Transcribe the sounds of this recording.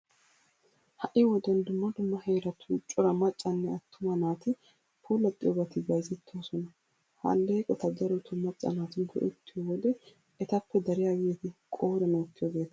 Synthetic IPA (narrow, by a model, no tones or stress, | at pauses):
hɐʔɪwɔd̪ɛnd̪ʊmːɐd̪ʊmːɐheːɾɐt̪ʰuːt͡ʃʼʊɾɐmɐt͡ʃʼːɐnːɛɐt̪ːʊmɐnaːt̪ɪ | pʰoːlɐt̪ʼːɪjoɡɐt̪ɪbɐjzɪt̪ʰːoːsɔnɐ | hɐ̰lːeːkʼɔt̪ɐd̪ɐɾɔt̪ʰʊmːɐt͡ʃʼːɐ̰naːt̪ɪnɡɔ̰ʔɪ̰t̪ːɪjowɔd̪ɛ | ɛt̪ɐpːɛd̪ɐɾɪjawjet̪ɪkʼoːɾɛnot̪ːɪjoːɡe̞ːt̪ɐ̥